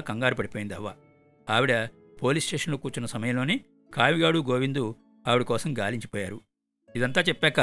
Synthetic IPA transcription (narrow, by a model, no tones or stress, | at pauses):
kɐŋɡaːɾupɐɽipoːjind̪ɐʋːɐ | aːʋiɽɐ | poːliːsʈeːʂɐnlokuːɾt͡ʃunɐsɐmɐjɐmlo̞ːni | kaːmiɡaːɽuɡo̞ːʋind̪u | aːʋiɽɐkɔːsɐmɡaːliɲt͡ʃi̥pɔːjaːɾu | id̪ɐnt̪aːt͡ʃɛpːɛːkɐ